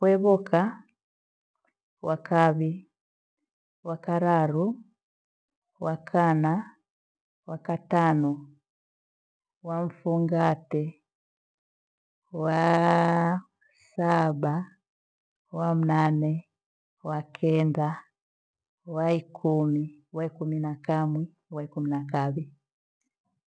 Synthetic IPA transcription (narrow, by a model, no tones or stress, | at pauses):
kwɛβɔkʰa | wakaβi | wakaɾaɾu | wakʰana | wakatanɔ | waɱ̩fuŋɡatɛ | wa | saɓa | wam̩nanɛ | wakʰɛnda | waikʰumiwaikuminakamwi | waikuminakaβi